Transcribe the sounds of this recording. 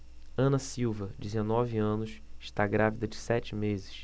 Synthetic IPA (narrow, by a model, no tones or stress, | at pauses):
ɐ̃nɐsiwvɐd͡ʒɪzenɔviɐ̃nʊsɪʃt̪aɡɾavid̪ɐd͡ʒɪsɛt͡ʃɪmezɪʃ